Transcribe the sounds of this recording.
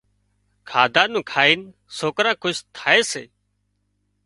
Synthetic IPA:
kʰaːd̪ʱãːnũːkʰaːiːn | soːkɾãːkʰʊʃt̪ʰaːeːsḛː

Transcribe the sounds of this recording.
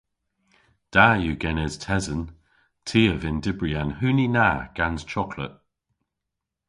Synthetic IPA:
d̥aːjuːɡɛnɛz̥tʰɛzən | tʰiːəvɪndɪbɹianhʉːninaːɡ̥anz̥t͡ʃʰɔkʰlə̰ʔ̚

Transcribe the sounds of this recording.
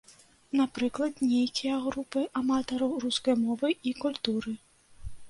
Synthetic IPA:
napɾɨklˠɐd̪nʲejkʲijɐɣɾupɨʔamat̪ɐɾɐwruskɐjmɔvɨikulʲt̪uɾɨ

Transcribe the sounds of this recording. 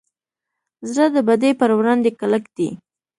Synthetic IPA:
zɾad̪əbad̪epəɾwɾɑnd̪ekaləkd̪̥ḭ

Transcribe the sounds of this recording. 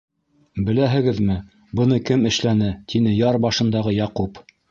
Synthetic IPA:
bɘ̆læɦɘ̆ɡɘðmɘ | bɤ̆nɤkɘmɘ̆ʃlænɘt̪ʰinɘjɑɾbɑʃɤ̆nd̪ɑʁɤjɑqup

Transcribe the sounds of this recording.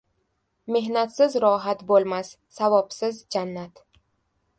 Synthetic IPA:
me̞hnat̪sɪzɾɒɦat̪bolˠmasːavɒpsɪzd͡ʒanːat̪

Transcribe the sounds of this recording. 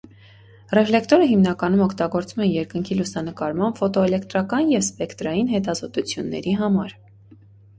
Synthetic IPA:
rɛflɛkt̪ɔɾəɦimnɑkɑn̪umɔkʰt̪ɑɡɔɾt͡sumɛnjɛɾkəŋkʰilusɑnəkɑɾmɑnfɔt̪ɔɛlɛkt̪ɾɑkɑnjɛvspɛkt̪ɾɑjinɦɛt̪ɑzɔt̪ut͡sʰjunːɛ̰ɾiɦɑmɑɾ

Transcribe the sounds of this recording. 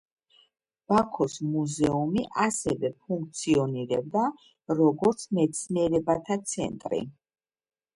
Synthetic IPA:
b̥akʰɔsmuzɛumiʔasɛvɛpʰuŋk̚ʰt̪sʰiɔniɾɛb̚d̪a | ɾɔɡɔɾt̪sʰmɛt̪sʰniɛɾɛbat̪ʰat̪sʰɛ̰nt̪ʼɾḭ

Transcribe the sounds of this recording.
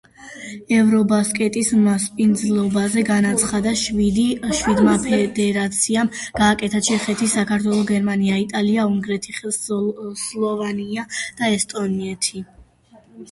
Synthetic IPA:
ɛvɾɔbaskʼɛt̪ʼismaspʼind̪zlˠɔbazɛɡanat̪sʰχad̪aʃwid̪iʃwid̪mapʰɛd̪ɛɾat̪sʰiamɡ̥aːkʼɛt̪ʰat͡ʃʰɛχɛt̪ʰisakʰaɾt̪ʰwɛlˠɔɡɛɾmaniait̪ʼaliauŋɡɾɛt̪ʰi | slˠɔvaniad̪̥aɛst̪ʼɔniɛt̪ʰi

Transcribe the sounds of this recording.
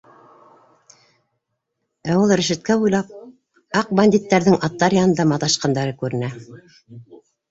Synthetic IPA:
æwulˠɾɘ̆ʃɘ̆t̪̚kæbujlˠɑp̚ | ɑq̚banʲd̪ʲit̪ːæɾðɘŋʔɑt̪ːɑɾjɑnɤ̆nd̪ɑmɑt̪ɑʃqɑnd̪ɑɾɤkʉɾɘ̆næ

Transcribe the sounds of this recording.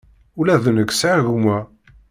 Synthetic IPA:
ulæðnəkːsʕaɣmæ

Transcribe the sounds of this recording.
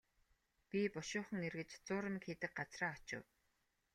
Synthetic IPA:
pʲipʊʃʊːχə̆ŋerɣɘ̆t͡ɕt͡sʊːɾə̆mkxʰiːt̪ɘ̆k̚ɢat͡sraːɔt͡ɕɪ̰̆w

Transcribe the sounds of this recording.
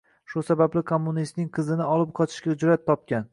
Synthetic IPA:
ʃʊsabablɪkʰomːunist̪nɪŋqʰɨzɪnɪɒlˠɪp̚qʰɒt̪ʰɪ̥ʃkʲad͡ʒʊɾat̪̚ʰːɒp̚kʲan

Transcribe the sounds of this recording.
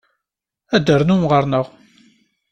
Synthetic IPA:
æd̪ːəɾnumʁəɾnəʁ

